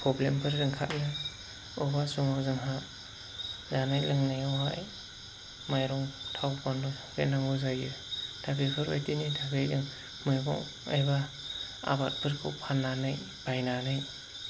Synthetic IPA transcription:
pʰɔblempʰɯɾːɯŋkʰa̰t̚nɯ | ubasuŋazɯŋɦa | zanajlɯŋnajawɦaj | majɾɔŋtʰawpanɔ | bḛnaŋɡɯzajɯd̥ʰabepʰɯɾa̰jtinidʰaɡejzɯŋ | mɯjbɔ̰ŋ | a̰jba | a̰bat̚pʰɯɾkʰɯwpʰanːanɯj | b̥ajnanɯj

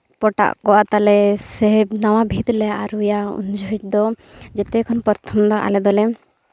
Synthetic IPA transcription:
pɔʈa̰ʔkɔwa̰ʔt̪alɛsɛbnawabʱit̪lɛaaɾujaṵnd͡ʒʱut͡ʃd̪ɔ | d͡ʒɛt̪ɛkʰɔnpɔɾt̪ʰɔmd̪ɔʔa̰lɛd̪ɔlɛ

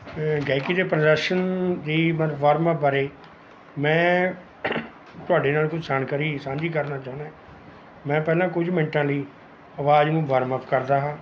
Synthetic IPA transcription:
ɡɛːkiːd̪eːpɾədɛʃənd̪iːmət̪bʋəɾməp̚bəɾeː | mɛ̃ː | t̪ʊaːɖeːnaːlkʊd͡ʒsaːnkəɾiːsãːd͡ʒiːkəɾnaːt͡ʃaːʊ̃nã | mɛ̃ːpɛːlãːk̬ʊd͡ʒmɪ̃ɳʈãːliː | əʋaːd͡ʒnũːbəɾməpkəɾd̪aːɦãː

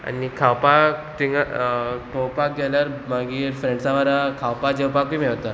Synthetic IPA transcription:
a̰nikʰawpat̪iŋɡakəwpak̚ɡɛljaɾmaɡiːɾfɾẽɳɖsãʋəɾakʰawpad͡ʑəwpakʋiːmeɭt̪a

